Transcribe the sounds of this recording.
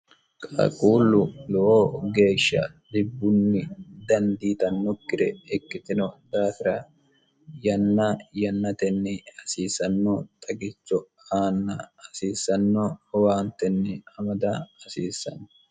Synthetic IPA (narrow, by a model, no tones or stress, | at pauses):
kʼa̰ːkʼuːlːʊlɔʔoːɡe̞ːʃːɐ̰d̪ɪbːʊnːɪd̪ɐnd̪iːt̪ɐnːɔkːɪɾɛɛkːɪt̪ɪnɔd̪aːsɪɾɐ | jɐnːajɐnːɐt̪ɛnːɛɐsiːsɐnːot̪ʼɐɡɪt͡ʃːɔ | aːnːɐːsiːsːɐnːowaːnt̪ɛnːɛɐmɐd̪ɐɐsiːsːɐ̰nː